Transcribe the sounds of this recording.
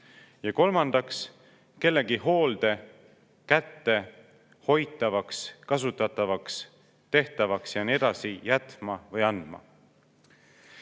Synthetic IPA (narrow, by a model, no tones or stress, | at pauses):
jɑko̞lmɑnd̪̥ɑks | ke̞lːe̞ɡiɦo̞ːld̪̥e̞ | kæt̪ːe̞ | ho̞jt̪ːˑɑvɑkskɑsut̪ːˑɑt̪ˑːɑvɑks | t̪e̞ht̪ɑvɑksjɑnied̪̥ɑsijæt̪mɑvɤjɑnd̪̥mɑ̰